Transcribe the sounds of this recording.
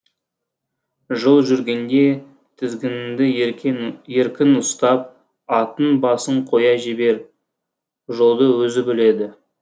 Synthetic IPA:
ʒəlˠʒʏɾɡʲe̞nd̪e̞ | t̪ʰɪzɡʲɪnɪd̪ɪ | je̞ɾkʲɪnʊst̪ɑp̚ | ɑt̪ənbɑsəɴqʰo̞jɑʒebe̞ɾ | ʒolˠd̪əwɵzɪbɪle̞d̪ɪ

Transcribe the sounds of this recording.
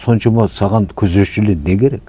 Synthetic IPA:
so̞nʃɑmɑsɑʁɑnkʲʰɵzeʃɪlenekʲʰe̞ɾe̞k

